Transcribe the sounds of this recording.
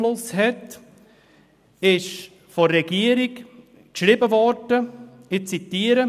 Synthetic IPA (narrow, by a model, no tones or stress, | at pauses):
lʊshɛt | ɪʃ | fɔːɛɡiəɾik | kʃɾɪbəvɔɾdəɪt͡sit̪iːəɾə